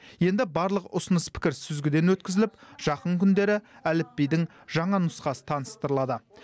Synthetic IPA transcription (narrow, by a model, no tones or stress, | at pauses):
je̞nd̪ɪbɑɾlˠəqʊsʊnəspʰɪ̥kʲɪɾsʏzɡʲɪd̪e̞nwɵt̪̚kʲɪzɪlɪpʒ̥ɑqəŋkʲʰʏnd̪e̞ɾɪælɪpːejd̪ɪŋ | ʒɑɴɑnʊsqɑsə̥t̪ʰɑnəst̪əɾəlˠɑd̪ə